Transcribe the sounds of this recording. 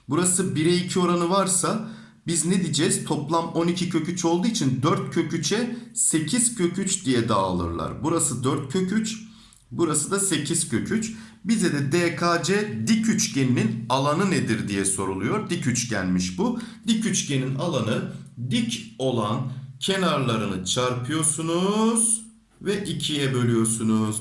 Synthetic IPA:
buɾasɯbiɾɛicʰio̞ɾanɯvaɾsa | bizned̪id͡ʒɛz̥t̪ʰo̞plˠamo̞nicʰicʰø̞cyt͡ʃʰo̞lˠd̪uːit͡ʃʰind̪øɾt̪̚cʰøcʰyt͡ʃʰɛse̞cʰiz̥cʰø̞cʰyt͡ʃd̪ijɛd̪aːlˠɯ̰ɾlˠa̰ɾbuɾasɯd̪øɾt̪̚cʰøyt͡ʃ | buɾasɯd̪ase̞cʰiz̥cʰø̞cʰyt͡ʃbizɛd̪ɛd̪eːkʰaːd͡ʒɛd̪icʰyt͡ʃɟe̞nininalˠanɯned̪iɾd̪ijɛso̞ɾulˠujo̞ɾd̪icʰyt͡ʃɟænʲmiʃbud̪icʰyt͡ʃɟe̞ninalˠanɯd̪ico̞lˠancʰe̞naɾlˠaɾɯnɯt͡ʃʰaɾpʰɯjo̞ɾsunuz̥ | vɛʔicʰijɛbø̞lʲyjo̞ɾsunuz̥

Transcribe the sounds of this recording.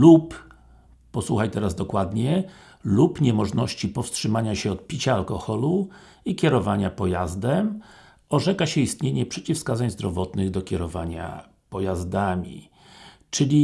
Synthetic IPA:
lupː | ɔswuxajt̪ɛɾazd̪ɔkwad̪ɲɛ | lupɲɛmɔʐnɔɕt͡ɕipɔfstʂɘmaɲaɕɛɔt̪̚pʲit͡ɕaːlkɔxɔlu | ikʲɛɾɔvaɲapɔjazd̪ɛm | ɔʐɛkaɕɛist̪ɲeɲɛpʂɛt͡ɕifskazaɲzd̪ɾɔvɔt̪nɘɣd̪ɔkʲɛɾɔvaɲa̰ | pɔjazd̪amʲḭ | t͡ʂɘlʲi

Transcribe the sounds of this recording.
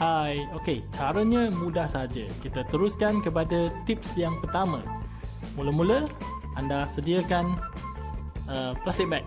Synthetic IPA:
hajoket͡ʃaɾəɲə̃mũdahsaɦad͡ʒəkit̪at̪əɾuskankəpadət̪ip̚sjaŋpərt̪amə̃ | muləmũlə | andahsədiəkan | əplast̪ik̚bak̚

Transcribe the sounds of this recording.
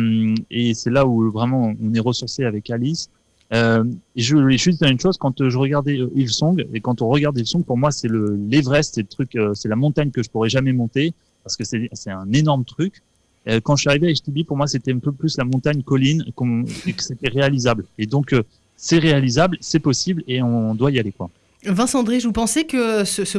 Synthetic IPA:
mesɛlauvʁɛmɑ̃ɔ̃nɛʁəsuʁseavɛkalis | øeʒəeʒyd̪izɛʁynʃozkɑ̃t̪ʒəʁəɡaʁd̪ɛøʔilsɔ̃ɡekɑ̃t̪ɔ̃ʁəɡaʁd̪ivsɔ̃ɡ̚puʁmwasɛləlevʁɛsːɛlət̪χykøsɛlamɔ̃t̪aɲkəʒəpuʁɛʒamɛmɔ̃t̪e | paʁsə̥kəsɛsɛt̪ɛ̃nenɔʁmət̪χyk | økɑ̃ʒəsɥiaʁiveaɛʃt̪ibipuʁmwaset̪ɛɛ̃pøplyslamɔ̃t̪aɲkɔlinkɔ̃ekset̪ɛʁealizabled̪ɔ̃kø | sɛʁealizablsɛpɔsibleɔ̃d̪waijalekwa | vɛ̃sɑ̃d̪ʁiʒvupɑ̃sɛkəsəsə

